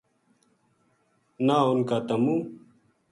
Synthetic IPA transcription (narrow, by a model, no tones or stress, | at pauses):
naːʊnkaːt̪ɐmuː